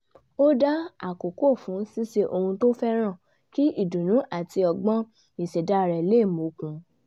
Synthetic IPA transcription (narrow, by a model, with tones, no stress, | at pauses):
o˦da˦a˦˨ko˨ko˦˨fũ˨˦si˦ʃe˧ʔo˧hũ˧to˦fɛ˦ɾ̃ã˦˨ | ki˦i˦˨dũ˨nũ˨˦ʔa˨ti˧ɔ˧ɡ͡bɔ̃˦ | i˨sɛ˨da˨˦˨ɾɛ˨le˦˨mo˨kũ˨˦